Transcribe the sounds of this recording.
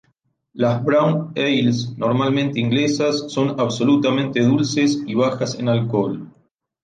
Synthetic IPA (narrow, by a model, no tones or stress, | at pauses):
lazβɾawnejlsnoɾmalmẽ̞nt̪eiŋɡlesasːo̞naβso̞lut̪amẽnt̪e̞ðulsesiβ̞axasḛnalkol